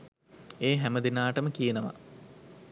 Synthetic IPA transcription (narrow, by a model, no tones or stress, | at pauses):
eːɦæməd̪inaːʈəməkijenəʋa̰